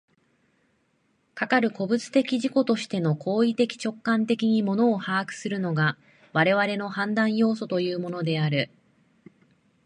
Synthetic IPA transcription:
kakaɾɯ̟ko̞bɯ̟t͡sɨ̥t̪e̞kʲiʑiko̞t̪o̞ɕi̥t̪e̞no̞kʰo̞ːit̪e̞kʲi̥t͡ɕo̞kːãnt̪e̞kʲiɲ̟imo̞no̞ːhaːkɯ̟̥sɨɾɯ̟no̞ɡa | βaɾe̞βaɾe̞no̞hãnd̪ãɰ̃jo̞ːso̞t̪o̞jɯ̟ːmo̞no̞d̪e̞aɾɯ̟

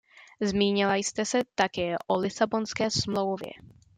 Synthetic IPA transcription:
zmiːɲɪlajst̪ɛsɛt̪akɛːʔolɪsabo̞nskɛːsmlo̞wvjɛ̰

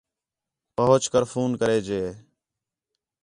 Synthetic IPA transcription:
pəɦʊt͡ʃkəɾfʰuːnkəɾeːd͡ʒeːeː

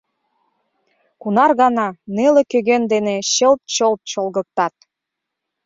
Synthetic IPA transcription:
kunɑrɣɑnɑnelekøɣend̪eneɕə̆lt̪̚t͡ɕolt̪̚t͡ɕolˠɣə̆k̚t̪ɑt̪̚

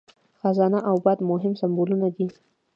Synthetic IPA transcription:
xazɑnaʔawbɑd̪mʊɦɪmsambolunad̪i

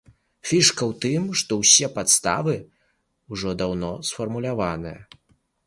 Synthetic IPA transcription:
fʲiʂkɐwt̪ɨmʂt̪ɔwsʲɛpat̪st̪a̰vɨ | uʐɔd̪awnɔsfɐrmulʲavanɨjɐ̰

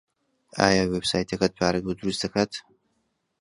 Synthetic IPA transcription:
a̰ːjaweb̥saːjt̪ʰɐkʰat̪̚pʰaːɾɨɡud̪uɾust̪dɐkʰatʰ

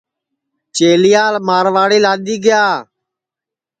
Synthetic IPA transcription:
t͡ʃeːlɪjaːlmaːɾʋaːɽiːlaːɗ̪iːɡɪjaː

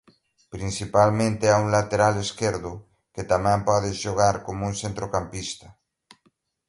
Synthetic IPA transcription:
pɾinsipalmẽnt̪eauŋlat̪eɾaleskeɾðo | ket̪amɛ̃mpɔðezʃoɣaɾkomounsent̪ɾokampist̪a

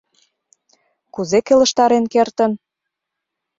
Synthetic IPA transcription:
kuzekelə̆ʃt̪ɑɾenkert̪ən

